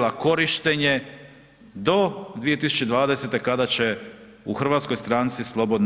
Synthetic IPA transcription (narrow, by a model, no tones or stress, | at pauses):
lako̞ɾiʃt̪eɲe | d̪o̞d̪ʋije̞t̪isu̥t͡ʃed̪ʋaːd̪e̞se̞t̪e̞kad̪at͡ɕe | uxɾ̩ʋat̪sko̞jst̪ɾaːnt̪sislˠo̞bo̞d̪n